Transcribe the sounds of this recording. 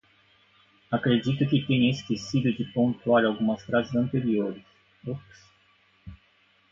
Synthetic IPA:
akɾed͡ʒit̪ʊkɪt̪ẽɲɐeskesid̪ʊd͡ʒɪpõnt̪uaɾawɡũmɐsfɾazɪzɐ̃nt̪eɾioɾɪs | oks

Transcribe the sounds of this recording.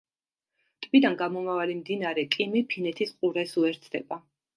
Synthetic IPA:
t̪ʼbid̪anɡamɔmavalimd̪inaɾɛkʼimipʰinɛt̪ʰisqʼuɾɛsuɛɾt̪sʰd̪ɛba

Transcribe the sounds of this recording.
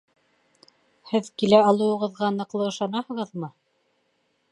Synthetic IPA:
hɘðkilæɑlˠɤ̆wɤ̆ʁɤ̆ðʁɑnɤ̆qlˠɤɤ̆ʃɑnɑhɤ̆ʁɤðmɤ

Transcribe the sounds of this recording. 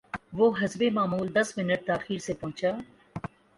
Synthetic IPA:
ʋoːɦɐzbemaːmuːld̪ɐsmɪnəʈ̚t̪aːxiːɾsepɔ̃ɦʊ̃t͡ʃaː

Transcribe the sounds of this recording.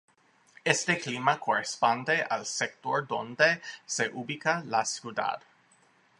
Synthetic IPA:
est̪eklimakorespond̪eʔalsek̚t̪ord̪ond̪eseʔubikalasjud̪a̰d̪

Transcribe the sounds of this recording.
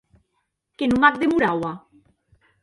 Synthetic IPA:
kenũmak̚d̪emuɾawa

